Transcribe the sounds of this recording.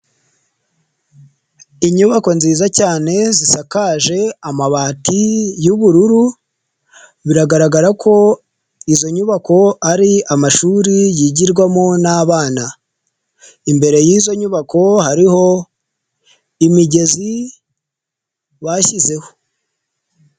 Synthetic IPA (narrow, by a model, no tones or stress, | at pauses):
iɲuβako̞nziːzacaːne̞zisakaːʒe̞amaβaːtijuβuɾuɾu | βiɾaɡaɾaɡaɾakʰo̞ | izo̞ɲuβako̞aɾiamaʃuːɾijiɟiɾɡwamonaːβaːna | imbe̞ɾe̞jiːzo̞ɲuβako̞haɾiho̞ | imiɟe̞zi | βaçize̞ho̞̥